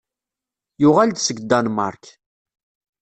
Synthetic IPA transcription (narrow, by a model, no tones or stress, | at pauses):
jʊʁald̪səɡd̪anmɑ̰ɾˤk